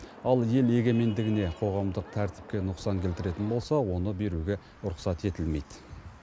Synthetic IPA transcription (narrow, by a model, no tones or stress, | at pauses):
ɑlˠje̞le̞ɡʲe̞me̞nd̪ɪɡʲɪne̞qʰo̞ʁɑmd̪əq̚t̪ʰæɾt̪ɪ̥p̚kʲe̞nʊqsɑŋkʲʰe̞lt̪ɪɾe̞t̪ɪnbo̞lˠsɑwo̞nəbe̞ɾuɡʲe̞ | ʊɾʊqsɑt̪e̞t̪ɪlme̞jd̪̥